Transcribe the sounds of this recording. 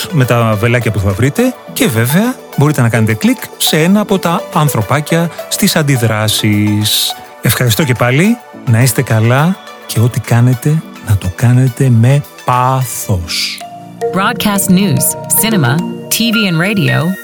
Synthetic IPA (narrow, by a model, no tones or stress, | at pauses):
me̞t̪ɐve̞lɐcɐpuθɐvɾit̪e̞ce̞ve̞ve̞ɐ | bo̞ɾit̪e̞nɐkɐne̞t̪e̞klikse̞e̞nɐːpo̞t̪ɐːnθɾo̞pɐcɐst̪isɐnd̪iðɾɐsis | e̞fxɐɾist̪o̞ce̞pɐli | nɐist̪e̞kɐlɐ | cʰe̞o̞t̪ikɐne̞t̪e̞ | nɐt̪o̞kɐne̞t̪e̞me̞ | pɐθos | b̥ɹɔd̚kʰæstnjʉːz̥sɪnəmətʰiːviːə̃nɹeɪɾio̰ʊ